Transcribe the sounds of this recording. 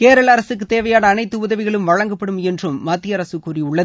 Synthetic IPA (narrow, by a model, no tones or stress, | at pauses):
keːɾɐɭɐɾɐsɯkːɯt̪eːʋɐjaːnɐːnɐɪt̪ːɯʊðɐʋɪɣɐɭɯmʋɐɻɐŋɡɐpːɐɽɯmɛndrɯmːaːt̪ːɪjɐɾɐsɯkːuːriʊɭːɐð